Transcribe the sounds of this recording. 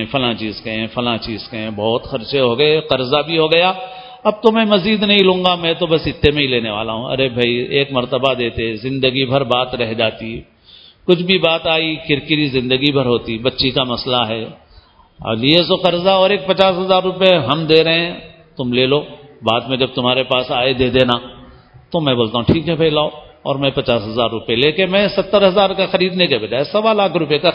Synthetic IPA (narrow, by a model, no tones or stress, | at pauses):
fɐlãt͡ʃiːzkɐẽfɐlãt͡ʃiːzkɐẽbɔːt̪xɐɾt͡ʃeɦoɡɐeqɐɾzabʱiɦoɡɐjaː | ɐb̚t̪omɛ̃mɐziːd̪nɐɦĩlũːŋɡamɛ̃ːt̪obɐsɪt̪ːemẽɦĩleːneʋaːla̰ɦũɐ̰ɾebʱaieːkmɐɾt̪əbad̪eːt̪eɛ̃zɪ̃nd̪əɡibʱɐɾbaːt̪ɾɛɦd͡ʒaːt̪i | kʊt͡ʃʰbʱibaːt̪aːikɪɾkɪɾizɪ̃nd̪əɡibʱɐɾɦoːt̪ibɐtːʃikamɐslaɦɛː | ɐ̰liesokɐɾzaɔːɾeːk̚pɐt͡ʃaːsɦɐzaːɾːʊpjeɦɐmd̪eːɾɐɦeɛ̃ | t̪ʊmleːloːbaːd̪mẽd͡ʒɐb̚t̪ʊmɦaːɾepaːsaːed̪eːd̪eːnaː | t̪omɛ̃boːlt̪aɦũʈʰiːkɦɛpʰeːlaːoɔ̰ːɾmɛ̃pɐt͡ʃaːsɦɐzaːɾːʊpeleːkɪnmɛ̃sɐt̪ːəɾɦɐzaːɾkaxɐɾiːd̪nekebɐd͡ʒaːesɐʋalaːkʰɾʊpjeka